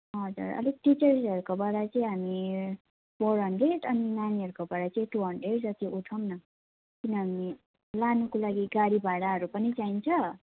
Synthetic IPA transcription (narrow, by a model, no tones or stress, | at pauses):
ɦʌd͡zṵrʌ̰liʈit͡sʌrsʌɾukobaɽat͡sʌĩɦami | poɾʌɳɖeʈʌninaniʌɾukobaɽat͡sʌĩʈuɦʌɳɖeʈd͡zʌt̪joʔuʈʰʌmnʌ | kinʌɦami | lanukolaɡiɡaɽibʱaɽaɦʌɾupʌnit͡saint͡sʰʌ